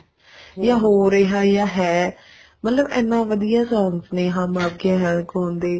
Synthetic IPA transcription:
jaːɦoːɾeːɦaːjaːɦɛː | mət̪ləbɛːnːãːʋəd̪ijaːsɔ̃ːŋsnẽːɦãːmaːp̚ɡãːɦãːkõːnd̪eː

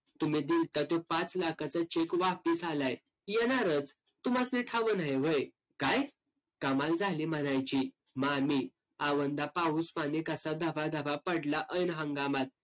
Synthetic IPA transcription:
t̪umiːd̪ilt̪ət̪jopat͡slakʰat͡sat͡ɕekʋapisalaj | jɛnaɾət͡s | t̪umasniʈʰaʋənaɦeʋəj | kaj | kamald͡zʱaliːm̤əɽ̃ajt͡ɕiː | mamiː | aʋənd̪apauspanikaəsad̪əʋad̪ʱəʋapəɽlaʔəjnɦəŋɡamat̪̚

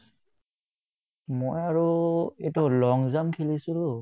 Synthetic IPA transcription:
mojaɹuetʊlɔŋzamkʰilisũlo

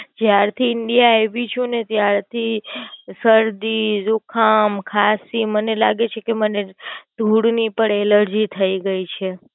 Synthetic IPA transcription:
d͡ʒjaɾt̪ʰiɪɳɖijaeʋit͡ʃʰũnet̪jaɾt̪ʰisəɾd̪izukʰamkʰasimənela̰ɡet͡ʃʰekeməned̪̥ʱuɽnipəɳeləɾd͡ʒit̪ʰəiɡəit͡ʃʰe

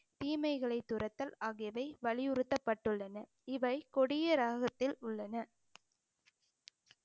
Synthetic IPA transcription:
t̪iːmɐɪɣɐɭɐɪt̪ːʊɾɐt̪ːɐlaːɣɪjɐʋɐɪʋɐɭɪjʊɾɯt̪ːɐpːɐʈːɯɭːɐnɐ | ɪʋɐɪkɔɽɪjɐɾaːɣɐt̪ːɪlʊɭːɐnɐ

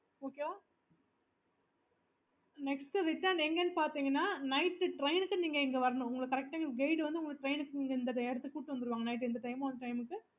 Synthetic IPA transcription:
oːkeoː | nɛksʈɯɾɪʈːaːɳɖɛŋɡɐenːɯpaːɾt̪iːŋɡɐnːaːnɐɪʈːɯʈɾɐɪnɯkːɯniːŋɡɐɛŋɡɐʋɐɾɐnʊ̃ʊŋɡɐɭɐkɐɾɛk̚ʈɐɛŋɡɐɭɡɐɪɖʋɐnd̪ɯʊŋɡɐɭʈɾɐɪnɯkːɯniːŋɡɐɪnd̪ɐʈɛɽɯt̪ːɯkuːʈːɯʋɐnd̪ɯɾɯʋaːŋɡɐnɐɪʈ̬ːɛnd̪ɐʈɐɪmãːɐndɐʈɐɪmɯkːɯ

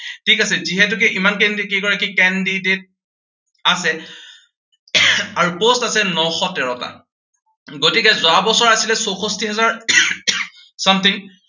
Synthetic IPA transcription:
tʰikasɛziɦɛtʊk̬ɛʔimankɛndikeɡɔɹakikɛndidet̚ | asɛ | aɹupostasɛnɔxɔtɛɹɔta̰ | ɡotikɛzʊabɔsɔɹasilɛsoxostiɦɛzaɹ | samt̪ʰiŋ

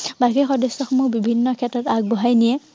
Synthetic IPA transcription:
bakixɔdesːɔxɔmubibʱinːɔkʰɛtɹɔtaɡ̚bɔɦajnijɛ

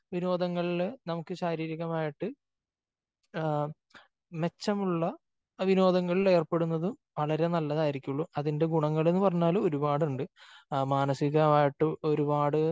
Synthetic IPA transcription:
ʋiɾo̞ːd̪ʱɐŋːɐɭilnɐmukːɨɕaːɾiːɾiɣɐmaːjiʈːɨ | me̞t͡ɕːɐmuɭːɐ | ʋino̞ːd̪ɐŋːɐɭile̞ːrpe̞ɽunːɐðum | ʋɐɭɐɾe̞nɐlːɐðaːjiɾikʲːuɭːuɐðinde̞ɡuɳɐŋːɐɭe̞nːɨpɐrɐɲːaːluo̞ɾubaːɽuɳɖɨmaːnɐsiɣɐmaːjiʈːɨo̞ɾubaːɽɨ

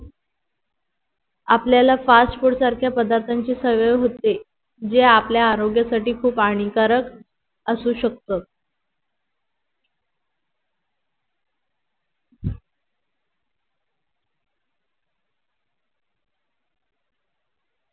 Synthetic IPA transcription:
apljalafasʈfuɾʈsaɾkʰjapəd̪aɾt̪ʰaɲt͡ɕiːsəʋəʋɦot̪e | d͡ʑeapljaːɾoɡjasaʈiːkʰuːpaɽ̃ikaɾək | əsuːɕək̚t̪ot̪

